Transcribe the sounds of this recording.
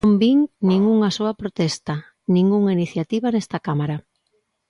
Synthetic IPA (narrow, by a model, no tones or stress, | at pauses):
mbiŋnĩŋuŋasoɐpɾot̪ɛst̪a | nĩŋɡuŋainiθjat̪iβanɛst̪ɐkamaɾa